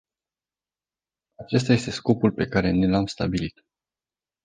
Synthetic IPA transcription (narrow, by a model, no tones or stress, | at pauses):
at͡ʃe̞s̬t̪aje̞st̪e̞sko̞pulpe̞kaɾe̞ne̞lamst̪a̰bilit̪